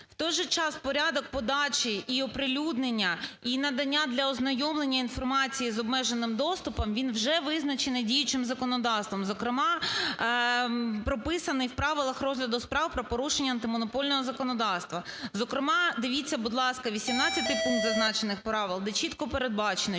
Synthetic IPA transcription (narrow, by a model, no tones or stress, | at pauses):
wt̪ɔjʒɛt͡ʃɑspɔɾʲad̪ɔk̚pɔd̪ɑt͡ʃiiɔpɾɪlʲud̪nenʲːɐinɐd̪ɐnʲːad̪lʲɐɔznɐjɔmlˠenʲːɐinfɔrmɑt͡sʲijizɔbmɛʒenɪmd̪ɔst̪ʊpɔmʋʲinwʒɛʋɪznɐt͡ʃenɛdʲijʊt͡ʃɪmzɐkɔnɔd̪ɑst̪ʋɔmzɔkɾɪmɑ | pɾɔpɪsɐnɪjwpɾɑʋɪlˠɐxɾɔzʲlʲɐd̪ʊspɾɑwpɾɔpɔɾuʃenʲːɐːnt̪ɪmɔnɔpɔlʲnɔɦɔzɐkɔnɔd̪ɑwst̪ʋɐzɔkɾɪmɑd̪ɪʋʲit͡sʲːɐbud̪lˠɑskɐʋʲisʲimnɑt͡sʲːɐt̪ɪjpuŋk̚d̪zɐznɑt͡ʃenɪxpɾɑʋɪlˠd̪ɛt͡ʃit̪kɔpeɾe̞d̪̚bɑt͡ʃenɛ